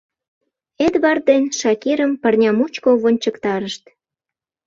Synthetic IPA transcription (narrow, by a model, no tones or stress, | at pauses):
et̪βɑr̚d̪enʃɑkiɾəmpərnʲɑmut͡ɕkoβonʲt͡ɕəkt̪ɑɾəʃt̪